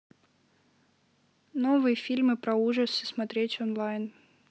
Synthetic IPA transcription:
novɨjəfʲilʲmɨpɾɐuʐəsɨsmɐt̪ɾʲetʲɔnlˠajn

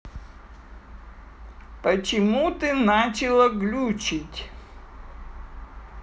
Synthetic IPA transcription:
pət͡ɕɪmut̪ɨnat͡ɕɪlˠəɡlʲut͡ɕɪtʲ

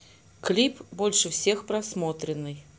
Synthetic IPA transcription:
klʲipbɔlʲʂɨwsʲexpɾasmɔt̪ɾʲɪnːɨj

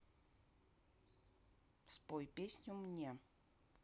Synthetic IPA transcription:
spojpʲesʲnʲʊmnʲe

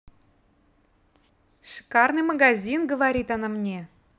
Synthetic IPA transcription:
ʂi̥kɑrnɨjmaɡazʲinɡəvaɾʲit̪ɑnamnʲe

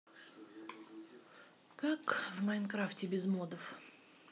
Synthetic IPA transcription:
kakvmɐjnkɾaftʲɪbʲɪzmod̪əf

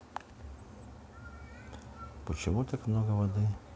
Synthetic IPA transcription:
pɔt͡ʃʲɪʋut̪ʲɪkmnoɡɐʋɐd̪ɨ

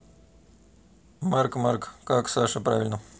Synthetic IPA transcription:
markmarkkaksaʂəpɾavʲɪlʲnə

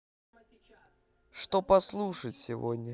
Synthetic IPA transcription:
ʂt̪opɐslˠuʂətʲsʲɪvo̰dʲnʲə

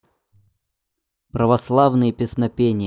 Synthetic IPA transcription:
pɾəvɐslˠavnɨjəpʲɪsnɐpʲenʲɪj

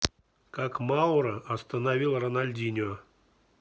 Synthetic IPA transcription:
kakmawɾəɐst̪ənavʲilˠrənalʲdʲinʲʊ

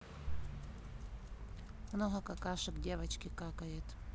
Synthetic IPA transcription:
mnoɦɐkɐkaʂɨkdʲevɐt͡ɕkʲɪkakɐjɪt̪

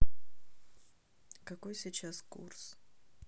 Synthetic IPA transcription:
kɐkojsʲit͡ɕaskṵrs

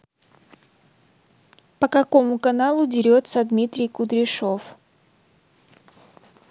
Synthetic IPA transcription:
pəkɐko̞mʊkɐnalˠʊdʲɪɾʲot̪səd̪mʲit̪ɾʲɪjkʊd̪ɾʲɪʂof

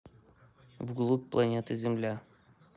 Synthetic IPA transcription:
vɡlˠuk̚plˠɐnʲet̪əzʲɪmlʲæ

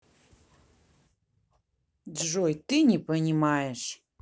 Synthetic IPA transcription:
dʐɔjt̪ɨnʲɛpɐnʲimajɛʂ

